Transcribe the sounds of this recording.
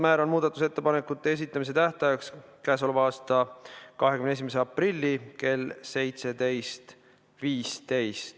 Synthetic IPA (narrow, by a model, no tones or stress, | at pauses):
mæːɾo̞nmuːd̪̥ɑt̪ːˑuset̪ːe̞pɑne̞kːˑut̪ːˑe̞es̬it̪ːˑɑmis̬e̞t̪æht̪ɑjɑkskæːs̬o̞levɑːst̪ɑkɑɦekymnees̬imes̬eɑprilʲːike̞lse̞jt̪se̞d̪e̞jst̪ | viːst̪e̞jst̪